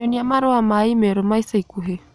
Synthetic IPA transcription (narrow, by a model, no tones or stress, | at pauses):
ɔniamaɾɔamaimɛɾɔmaisaikuɦɛ